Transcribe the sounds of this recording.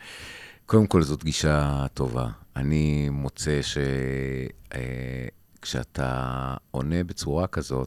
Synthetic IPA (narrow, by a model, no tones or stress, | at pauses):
ko̞demko̞lzotɡiʃato̞va̰animo̞t͡se̞ʃe̞ | e | kʃea̰t̪ʰa̰o̞nebe̞t͡suʁakazo̞t